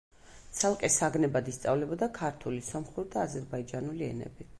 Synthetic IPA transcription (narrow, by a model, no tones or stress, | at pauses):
tt̪sʰalˠqʼɛsaɡnɛbad̪ist̪sʼavlɛbɔd̪akʰaɾt̪ʰulisɔmχuɾid̪aːzɛɾbaid͡ʒanuliɛnɛ̰bi